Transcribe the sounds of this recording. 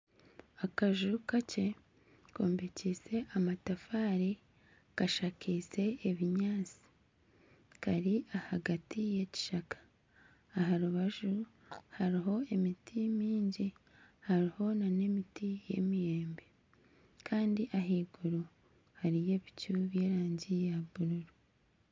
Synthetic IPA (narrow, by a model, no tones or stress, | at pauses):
akaʒukace̞ | koːmbeciːse̞ʔamatafaːɾi | kaʃakise̞ːβiɲaːt͡si̥ | kaɾiahaɡatije̞ci̥ʃakḁː | ɦaɾuβaʒu | haɾiɦo̞emitʰimiːɲɟihaɾiho̞nane̞mitije̞̰mije̞ːmbe̞ | kʰaːndiʔaɦiːɡuɾu | haɾije̞βicuβje̞ːɾaːɲɟijaβuɾuɾu